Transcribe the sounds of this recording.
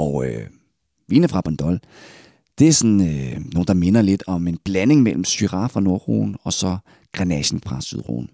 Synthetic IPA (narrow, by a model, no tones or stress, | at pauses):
ʔɒʊø | ʋiːnəfʁɑ̈b̥ɒnd̥ɒl | d̥e̝æsɒnøno̝ːn̩d̥ɑ̈me̝nɐle̝d̥ɒ̽me̝nb̥læne̝ŋmel̰m̩syʁɑ̈fʁɑ̈no̝ɐʁo̰ːn̩ɒ̽sɒ̽ | ɡ̥ʁanɛɕn̩fʁɑ̈syð̞̰ˠʁo̰ːn̩